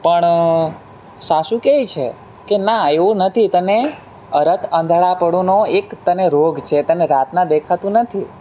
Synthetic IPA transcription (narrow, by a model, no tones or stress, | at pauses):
pəɳ | saʃũkeit͡ʃʰḛ | kenaeʋũnət̪ʰit̪əne | əɾət̪ʰə̃nd̪ʱɭapəɽonoekt̪əneɾoɡʱt͡ʃʰet̪əneɾat̪nãd̪ekʰat̪ũnət̪ʰi